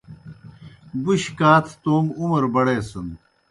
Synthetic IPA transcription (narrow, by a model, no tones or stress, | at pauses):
buɕkaːt̪ʰt̪oːmumɐɾbɐɽeːsun